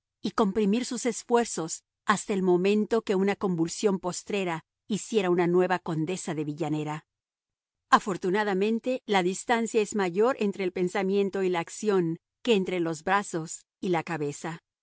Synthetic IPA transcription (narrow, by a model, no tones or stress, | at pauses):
iko̞mpɾimiɾsuse̞sfwe̞ɾso̞s | ast̪aelmo̞mẽ̞nt̪o̞ke̞unako̞mbulsjo̞mpo̞st̪ɾe̞ɾa | isje̞ɾaunanwe̞βako̞nd̪e̞saðe̞βiʝane̞ɾa | afo̞ɾt̪unaðamẽ̞nt̪e̞laðist̪ansjaezmaʝo̞ɾʔe̞nt̪ɾe̞ːlpe̞nsamjẽ̞nt̪o̞ilaːksjo̞ŋ | ke̞ːnt̪ɾe̞lo̞zbɾaso̞s | ilakaβe̞sa